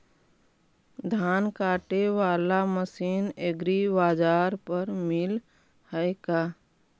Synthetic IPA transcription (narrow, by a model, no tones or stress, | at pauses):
d̪ʱaːnkaːʈeʋaːlaməsiːneɡɾibaːd͡ʒaːɾpəɾmɪl | həekaː